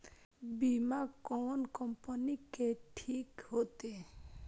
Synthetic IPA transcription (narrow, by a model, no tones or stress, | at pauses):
bimakɔːnkɔmpənikeʈʰiːkɦoːt̪e